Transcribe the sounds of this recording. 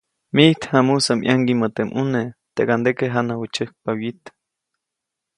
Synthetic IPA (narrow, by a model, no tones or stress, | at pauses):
miht̪hamusamʔjʔaŋɡimot̪emʔunet̪ekand̪ekeɦanawut͡ʃəhk̚pawit̪